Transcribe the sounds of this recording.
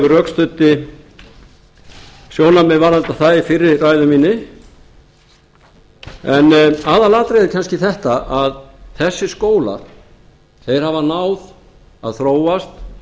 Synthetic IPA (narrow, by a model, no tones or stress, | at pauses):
ʏrœkst̪ʏt̪ːɪ | sjoːwnapmɪvaɾant̪aθaifɪɾːɪɾraːjðʏmiːnːɪ | ɛnaːðalaːt̪ɾejðɪcʰanscɪθɛht̪aʔaðθɛsːɪskoːwla̰ɾ̥ | θejɾ̥havanawð | a̰ðθɾoːwast̪